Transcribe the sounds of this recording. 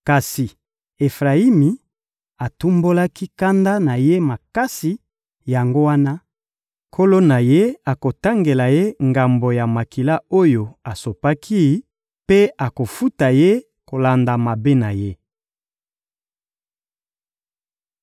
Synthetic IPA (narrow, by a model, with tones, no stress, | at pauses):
ka˨si˨ | e˨fʁa˨i˦mi˨ | a˨tu˦mbo˦la˦ki˦ka˦nda˦na˨je˦ma˨ka˦si˨ | ja˨ŋɡo˦wa˦na˦ | kʰo˦lo˦na˨je˦a˨ko˨ta˦ŋɡe˨la˨je˦ŋɡa˨mbo˨ja˨ma˨ki˨la˦o˦jo˨a˨so˨pa˦kʰi˦ | pe˦a˨ko˨fu˦ta˨je˦ | ko˨la˨nda˨ma˨be˦na˨je˦